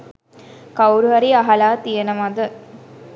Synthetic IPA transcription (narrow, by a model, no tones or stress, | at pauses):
kawɾuʋɐɾiaɦɐlaːt̪ijənəmad̪ə